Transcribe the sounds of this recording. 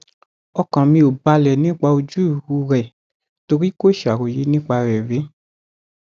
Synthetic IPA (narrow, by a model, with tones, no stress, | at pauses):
ɔ˧kã˨mĩ˧o˨ba˧lɛ˨nĩ˦k͡pa˧o˧d͡ʒu˦i˨wu˧˦ɾɛ˨ | to˧ɾi˦ko˦˨ʃa˨ɾo˨je˨˦nĩ˦k͡pa˧ɾɛ˨ɾe˨˦